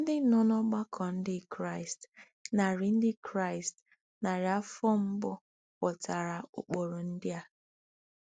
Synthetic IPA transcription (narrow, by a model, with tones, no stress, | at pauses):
n̩˦dɪ˦˨nɔ˦nɔ˦ɡ͡ba˦kʰɔ˨n̩˦dɪ˦kɾa˦˨ɪ˨st | na˨ɾɪ˨n̩˦dɪ˦kɾa˦˨ɪ˨st | na˨ɾɪ˨a˦fɔ˦m̩˦bɔ˦ | pɔ˨ta˨ɾa˨o̰˨k͡po˨ɾo˨n̩˦dɪ˦a˦